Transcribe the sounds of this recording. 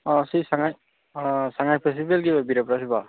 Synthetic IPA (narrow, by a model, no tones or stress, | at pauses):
ɔsisaŋaj | saŋajpʰesibelɡibabiɾapɾasiba